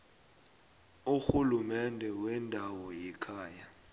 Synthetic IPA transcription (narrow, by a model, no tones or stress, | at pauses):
uxulumɛndʱɛwɛndʱawɔjɛkʰaːja